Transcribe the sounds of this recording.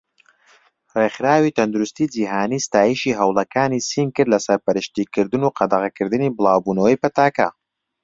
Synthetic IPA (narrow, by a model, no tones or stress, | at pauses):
reχɾaːwit̪ʰɐnd̪uɾust̪iːd͡ʒiːɦaːniːst̪aːjiʃiɦɐwlˠɐkʰaːnisiːnkɨɾlɐsɐɾpɐɾɨʃt̪iːkɨɾd̪ɨnuːqʰɑd̪ɐʁɐkɨɾd̪ɨniːbɨlˠaːwbuːnɐwɐjpɐt̪aːkɐ̰